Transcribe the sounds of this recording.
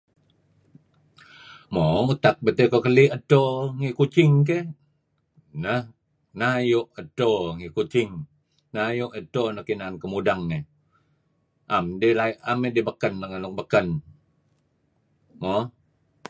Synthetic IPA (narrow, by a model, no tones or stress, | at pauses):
mout̪ak̚bət̪ekokəliət̪oŋikut͡ʃɪŋk̬e | nəh | najʊʔət̪oŋikut͡ʃɪŋ | najuʔət̪onəkinankəmudaŋːe | ʔamdilaʔamedibəkənləŋənʊk̚bəkən | mo